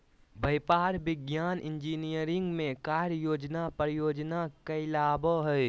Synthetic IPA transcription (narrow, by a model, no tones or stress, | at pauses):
bɐjpaːɾbɪɡjaːnʔɪ̃nd͡ʒiːnijəɾɪ̃ŋɡmẽkaːɾjoːd͡ʒnapɾjoːd͡ʒnakɐɪlaːboɦɛj